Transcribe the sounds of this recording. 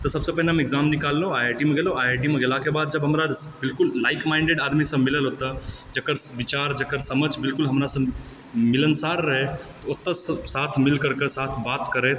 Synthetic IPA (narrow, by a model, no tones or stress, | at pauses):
t̪ɔsəbsəpəɦneɦmeɡzamnikalːoajʈimeɡeloajeʈimeɡelakebad̪̚d͡ʒəbɦəmɾabilkulːaɪkmaɪɳɖeɖad̪misə̃miləlɦot̪ə | d͡ʒəkəɾʋit͡ʃaɾd͡ʒəkəɾsəməd͡ʒbɪlkulɦəmɾasə̃ | milənsaɾːəɦet̪ɔot̪ːəssat̪ʰmilkəɾkesat̪ʰbat̪kəɾet̪